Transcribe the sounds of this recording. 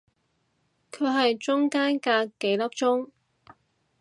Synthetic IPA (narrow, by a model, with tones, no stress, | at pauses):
kʰɵ˨˧ɥɦɐ˨jt͡sʊ˥ŋkaː˥nkaː˧kːe˨˥jlɐ˥p̚t͡ʃʊ˥ŋ